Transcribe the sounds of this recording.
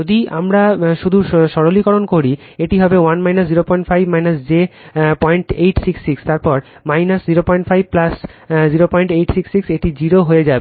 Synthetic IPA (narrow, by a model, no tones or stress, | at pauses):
od̪ia̰mɾaʃud̪ʱuʃɔɾolikɔɾonkoɾi | eʈiɦɔbewanmajnasd͡ʑiɾopɔjɳʈfʰajbmajnasd͡ʑepɔjɳʈejʈsiksːikst̪aɾpɔɾ | majnasd͡ʑiɾopɔjɳʈfʰajb̚plasd͡ʑiɾopɔjɳʈejʈsiksːikseʈid͡ʑiɾoɦojed͡ʑabe